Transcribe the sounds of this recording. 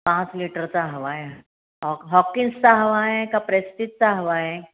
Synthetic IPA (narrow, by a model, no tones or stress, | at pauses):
pãt͡sliʈəɾt͡saɦəʋae | ɦɔɦɔkːinst͡saɦəʋaekapɾest̪it̪̚t͡saɦəʋae